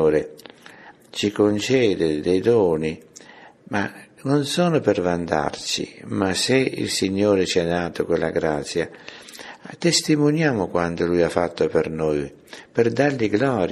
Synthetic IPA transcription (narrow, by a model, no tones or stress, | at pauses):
ɾɪ | t͡ʃikont͡ʃɛːd̪ɪd̪ɛjd̪ɔːni | manʊnsɔːnʊpɛrvand̪a̰rt͡ʃḭmaseḭlsiɲːɔːɾɪt͡ʃiɛd̪aːt̪ʊkwɪlːa̰ɡɾat̪sja | t̪ːest̪imʊnjaːmʊkwant̪ʊlujafːat̪ːʊpɛrnɔj | pɛrd̪arlɪɡlɔːɾ